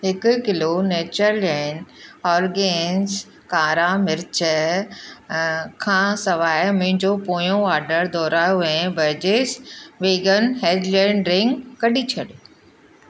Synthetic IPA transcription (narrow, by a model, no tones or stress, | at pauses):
ɦɪkʊkɪloneːt͡ɕəɾlɛ̃ːɳɖɔːɾɡeːns | kaːɾamɪɾɪt͡ɕə | kʰãːsɐʋaːemẽɲd͡ʑoːpoːjõaːɾɖəɾd̪ɔːɾaːjoɛ̃ːbɐɾd͡ʑeːsʋeːɡənɦeːɖlɛ̃ːɳɖɾɪ̃ŋɡkɐɗit͡ɕʰɐɗ